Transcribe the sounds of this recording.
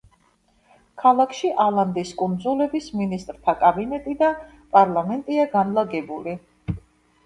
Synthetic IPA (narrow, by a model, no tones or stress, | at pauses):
kʰalˠakʰʃiʔalˠand̪iskʼund̪zulɛbisminist̪ʼɾt̪ʰakʼabinɛt̪ʼid̪a | pʼaɾlˠamɛnt̪ʼiaɡanlˠaɡɛbuli